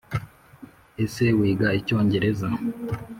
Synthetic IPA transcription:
e̞se̞wiːɡaico̞ːɲɟe̞ɾe̞za

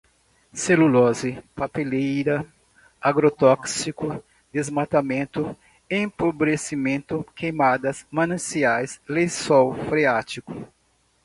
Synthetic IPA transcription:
selulɔzɪpapelejɾɐ | aɡɾot̪ɔksikʊ | d̪ezmat̪amẽnt̪ʊ | ɪẽpobɾesimẽnt̪ʊkejmad̪ɐsmɐ̃nɐ̃siajslesɔwfɾeat͡ʃikʊ

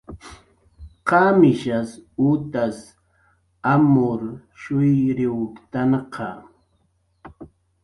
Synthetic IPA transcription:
qɑmɪʃasut̪as | amʊɾ | ʃʊjɾɪwkt̪anqʰɑ

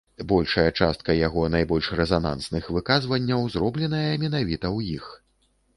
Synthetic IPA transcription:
bɔlʲʂɐjɐt͡ʂa̰st̪̚kɐjaɣɔnajbɔlʲʂrɛzana̰nsnɨxvɨkazvɐnʲːɐwzrɔblʲɛn̪ɐjɐmʲɛnavʲit̪ɐwjix

